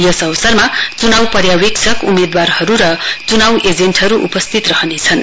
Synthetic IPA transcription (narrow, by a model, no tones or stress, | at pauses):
jʌsʌwsʌrmat͡sunawpʌrjaweksʰʌkumed̪warhʌɾuɾʌt͡sunawʔed͡zenʈɦʌɾuʔṵpʌst̪ʰit̪rʌɦʌnet͡sʰʌn